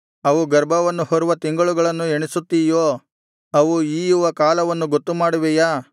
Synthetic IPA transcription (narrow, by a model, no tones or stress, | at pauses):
ɐʋuɡɐɾbʱɐʋɐnːuhɔɾuʋɐt̪iŋɡɐɭuɡɐɭɐnːueɳisut̪ːiːjoː | ɐʋuiːjuʋɐkaːlɐʋɐnːuɡot̪ːumaːɽuʋɛjaː